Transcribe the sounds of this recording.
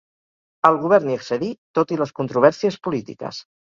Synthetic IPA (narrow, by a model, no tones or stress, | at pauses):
əlˠɣuβ̞ɛɾniəksəðit̪ot̪iləskunt̪ɾuβ̞ɛɾsiəspulit̪ḭkə̰s